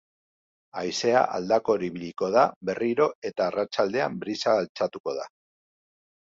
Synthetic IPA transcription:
ajse̞a̰ʔa̰ld̪ako̞ɾiβiliko̞ðaβe̞riɾo̞e̞t̪aːrat͡ʃald̪e̞a̰mbɾisaɣalt͡sat̪uko̞ð̞a̰

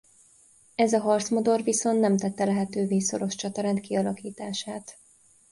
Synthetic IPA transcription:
ɛzɒɦɒrt̪smod̪o̞rviso̞nt̪nːɛmt̪ɛt̪ːɛlɛɦɛt̪øːveːso̞̰ɾo̞ʃt͡ʃɒt̪ɒɾɛnt̪kiɒlɒkiːt̪aːʃaːt̪

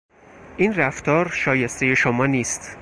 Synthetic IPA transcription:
ʔiːnræft̪ʰɒːɾʃɒːje̞st̪eje̞ʃomɒːniːst̪

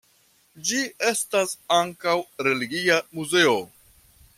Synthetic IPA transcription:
d͡ʒie̞stasaŋkawɾe̞liɡiamuze̞o

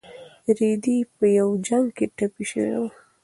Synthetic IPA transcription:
ɾid̪ipəjawd͡ʒaŋɡkeʈapiʃə̰wḛwa

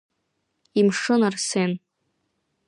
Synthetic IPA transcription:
imʂɨnarsen

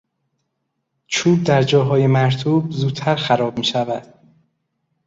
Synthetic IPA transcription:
t͡ʃʰuːb̚d̪æɾd͡ʒɒːɦɒːje̞mæɾt̪ʰuːb̚zuːt̪ʰːæɾxæɾɒːb̚miːʃævæd̪̥

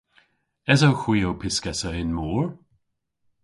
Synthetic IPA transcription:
ɛzowxwiːowpʰɪskɛsəɪnmuːɹ

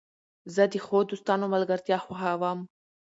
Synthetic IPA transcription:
zəd̪ixod̪ust̪ɑːnomalɡaɾt̪jɑxaxawam

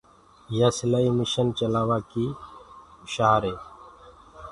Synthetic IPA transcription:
jaːsləiːmɪʃənt͡ʃəlaːʋaːkiː | ʃaːɾeː

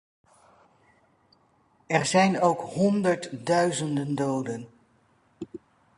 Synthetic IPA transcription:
ɛɹzɛjnowkɦɔndəɹtdœɥzəndəndowdən

